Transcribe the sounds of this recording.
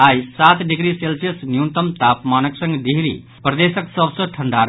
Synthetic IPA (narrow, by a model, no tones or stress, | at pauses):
ajsat̪ɖiɡɾiselsesnjut̪əmt̪apmanəksə̃ŋɡɖ̪iɦɾḭ | pɾd̪esəksəbsə̃ʈʰəɳɖaɾ